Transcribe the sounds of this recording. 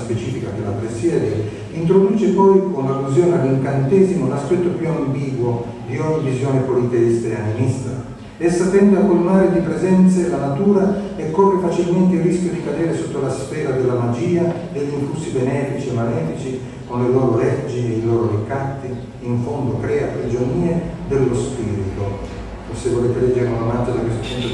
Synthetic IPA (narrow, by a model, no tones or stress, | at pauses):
spet͡ʃiːfikapelːapɾesjɛːd̪eɾ | int̪ɾod̪uːt͡ʃepɔjkonlalːuzjoːnead̪uŋkant̪ɛːzimolaspɛt̪ːopjuambiːɡwo | d̪iɔɲːivizjoːnepolit̪eist̪eanenist̪ɾa̰ | ɛsːat̪ɛnd̪akolːunaːɾed̪ipɾezɛnt̪selanat̪uːɾaekːɔrːefat͡ʃilment̪̬eilriskʲjod̪ikad̪ɛːɾesot̪ːolasfɛːɾad̪elːamad͡ʒiːad̪eʎːiɱfusːibenɛːfit͡ʃiemːalɛːfit͡ʃi | konlelɔːɾolɛrd͡ʒieiloːɾoɾikːat̪ːiː | ɱfond̪okɾɛːapɾid͡ʒoniːed̪elːospiːɾit̪o | fosevolɛːt̪elɛd͡ʒːeɾeunomat̪ːad̪akwest̪o̥pɛnt̪o